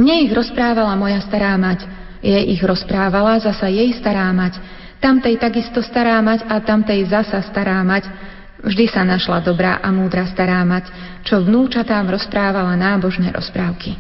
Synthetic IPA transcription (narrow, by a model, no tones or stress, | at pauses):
mɲɛiɣɾɔspɾaːʋalamɔjast̪aɾaːmac | jɛjʔiɣɾɔspɾaːʋalazasajɛjst̪aɾaːmac | t̪amt̪ɛjt̪aɡist̪ɔst̪aɾaːmacat̪amt̪ɛjzasast̪aɾaːmac | vʒd̪isanaʃla̰d̪ɔbɾa̰ːʔamuːd̪ɾaːst̪aɾaːmac | t͡ʃɔʋnuːt͡ʃat̪aːmɾɔspɾaːʋalanaːbɔʒnɛ̰ːɾʔɔ̰spɾaːʊki